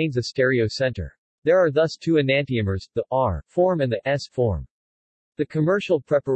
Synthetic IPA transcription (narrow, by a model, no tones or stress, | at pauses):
ɪ̃nzɨstɛɹioʊsɛ̃ntə̰˞ | ðə˞ːɹðʌstʰʉɨnæ̃ntiɨ̃mə˞zðiʔɑɹfɔɹmɨ̃nðiʔɛsfɔɹm | ðɨkʰɨmɜ˞ʃl̩ˠpʰɹ̥ɛpə˞